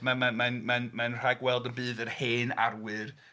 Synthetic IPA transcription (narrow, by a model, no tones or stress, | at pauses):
mamamanmanmanr̥aɡwɛlˠdənbɨːðərheːna̰rwɨr